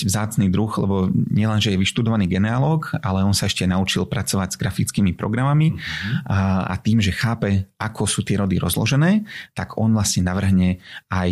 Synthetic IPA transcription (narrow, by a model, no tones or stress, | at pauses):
ʋzaːt͡sniːd̪ɾuxlɛ̰bɔɲɪɛlɛnʒɛjɛʋiʃt̪ud̪ɔʋaniːɡɛnɛalɔːkalɛɔnsaɛʃcɛnaut͡ʃilpɾat͡sɔʋaɟz̥ɡɾafit͡skiːmipɾɔ̰ɡɾamami | a̰t̪iːmʒɛxaːpɛakʰɔsuːt̪ɪɛɾɔd̪iɾɔ̰zlɔ̰ʒɛnɛːt̪aɡɔnʋlasɲɛnaʋr̩ɦɲɛaj